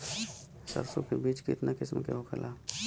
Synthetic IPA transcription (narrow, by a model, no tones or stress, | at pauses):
sə̰ɾsokebiːt͡ʃkɪ̰t̪nakɪsmkḛɦokʰəlʔaː